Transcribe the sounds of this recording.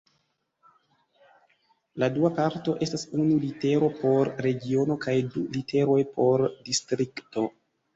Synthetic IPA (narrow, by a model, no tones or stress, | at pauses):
laduapaɾto̞ʔe̞stasunulite̞ɾo̞po̞ɾːe̞ɡio̞no̞kajdulite̞ɾo̞jpʰo̞ɾdistɾikto̞